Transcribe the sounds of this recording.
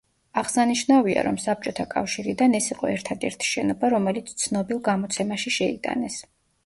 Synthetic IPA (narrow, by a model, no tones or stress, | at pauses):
aʁsaniʃnavia̰ɾɔmsap̚t͡ʃʼɔt̪ʰakʼa̰fʃiɾid̪anɛsiqʼɔɛɾt̪ʰad̪ɛɾt̪ʰi̥ʃɛnɔbaɾɔmɛlit̪sʰt̪sʰnɔbilˠɡamɔt̪sʰɛmaʃiʃɛid̪a̰nɛs